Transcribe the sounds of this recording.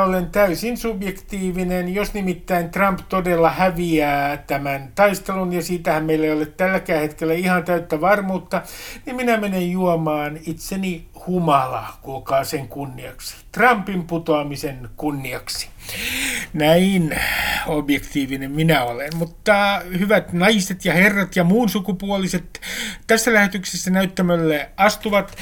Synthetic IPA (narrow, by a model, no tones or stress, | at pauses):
olent̪æysinsubjekt̪iːʋinenjosnimit̪ːæint̪rɑmpt̪odelːɑhæʋiæːt̪æmænt̪ɑist̪elunjɑsiːt̪æhæmmeilːæeijolet̪t̪ælːækæːhet̪kelːæihɑnt̪æyt̪ːæʋɑrmuːt̪ːɑnimminæmenejjuomɑːnit̪seni | humɑlɑ̰kulkɑːseŋkunːiɑksi̥t̪rɑmpimput̪oɑmisenkunːiɑksi̥ | næinobjekt̪iːʋinemminæolemmut̪ːɑhyʋæt̪nɑiset̪jɑherːɑt̪jɑmuːnsukupuoliset̪t̪æsːælæhet̪yksesːænæyt̪ːæmælːæɑst̪uʋɑt̪